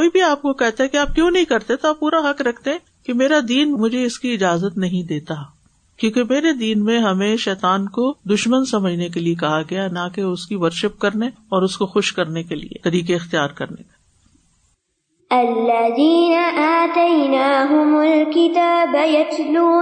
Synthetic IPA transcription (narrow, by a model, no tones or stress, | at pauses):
oːibʱiaːp̚kokɛɦt̪aɦɛ̃kiaːp̚kjõːnɐɦĩkɐɾt̪eɛt̪oaːpːuːɾaɦɐkɾɐkʰt̪eɦɛ̃ | kemeːɾad̪iːnmʊd͡ʒʱeɪskiɪd͡ʒaːzət̪nɐɦĩd̪eːt̪a | kjõːkemeːɾed̪iːnmẽɦɐmẽʃɛːt̪aːnkod̪ʊʃmənsɐməd͡ʒʱnek̬eliek̬ɐɦaɡɐjaɛnɐkeʊskiʋɐɾʃəp̚kɐɾne | ɔːɾʊskoxʊʃkɐɾnekelḭḛt̪ɐɾiːkeɪxt̪ijaːɾkɐɾnḛkɐ | ɐlːɐðiːnaʔaːt̪ɐjnaːɦʊmʊlkɪt̪aːbjɐt̪luː